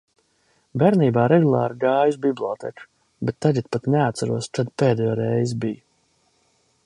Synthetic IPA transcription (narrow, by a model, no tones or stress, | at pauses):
bɛɾniːbaːɾɛɡulˠa̰ːɾɡaːjuzbiblˠɔːt̪ɛ̰k | bet̪ːaɡɛt̪̚pat̪neat̪t̪saɾuɔst͡ʃad̪pɛːd̪ɛjoːɾɛjzbiju